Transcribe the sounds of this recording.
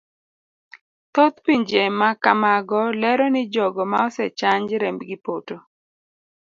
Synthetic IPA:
t̪ot̪piɲd͡ʒemakamaɡɔlɛɾɔnɪd͡ʒɔɡɔmaɔsɛt͡ʃaɲd͡ʒɾɛmbɡɪpoto

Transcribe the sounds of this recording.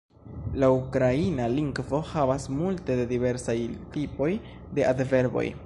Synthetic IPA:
laukɾainaliŋɡvo̞havasmulte̞dedive̞ɾsajtipo̞j | de̞ʔadve̞ɾbo̞̰j

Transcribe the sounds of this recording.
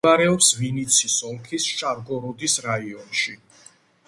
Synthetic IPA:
aɾɛɔpsvinit̪sʰisɔmkʰisʃaɾɡɔɾɔd̪isɾaiɔnʃi

